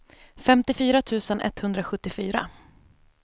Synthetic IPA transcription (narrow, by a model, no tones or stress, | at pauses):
fɛmt̪ɪfyːɾat̪ʰʉ̟ːsənʔɛ̰t̪ːhɵnd̪ɾaɧɵt̪ːɪfyːɾa̰